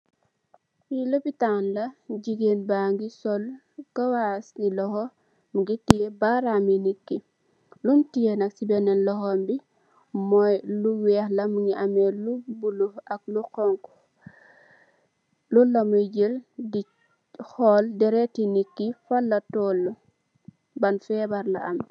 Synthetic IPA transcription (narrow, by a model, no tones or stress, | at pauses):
filopitanlɐɟiɡenbaŋɡisɔl | kɐwasnilɔhɔ | muɡitijebaɾaminikːi | luntijenɐksibɛnɛnlɔhɔmbi | mɔjluwɛhlamuŋiʔamelubuluaklukɔŋk | lulːamuɟildi | hɔldɛɾetinikːifalːatɔlːu | banfɛbaɾla̰am